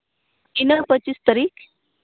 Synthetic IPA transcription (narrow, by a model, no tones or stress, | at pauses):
inəpət͡ɕist̪əɾiːk